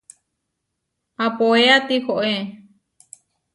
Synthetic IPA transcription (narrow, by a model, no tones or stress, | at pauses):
apoeat̪ikoʔe